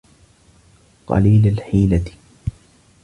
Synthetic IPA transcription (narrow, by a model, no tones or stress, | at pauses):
qɑ̰liːlalħiːlat̪